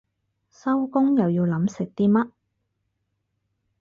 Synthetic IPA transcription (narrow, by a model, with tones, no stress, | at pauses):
sɐ˥wkʊ˥ŋjɐ˨˩wjiː˧wlɐ˨˥msɪ˨k̚t̪iː˥mɐ˥t̚